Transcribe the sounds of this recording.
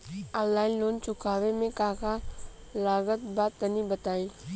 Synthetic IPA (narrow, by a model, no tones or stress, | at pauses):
alaːɪnloːnt͡ʃʊkaːʋemẽkaːka | laːɡət̪̚baːt̪ːənibət̪aːĩː